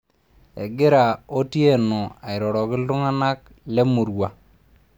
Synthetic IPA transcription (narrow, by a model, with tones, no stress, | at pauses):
ɛ̰˨ɡɪ˦ɾa˨o˦tje˦˨nɔ˨a˨ɪ˨ɾɔ˨ɾɔ˨kɪ˦lʊ˦ŋa˦na˦k̚ | lɛ˦mu˨ɾwa˨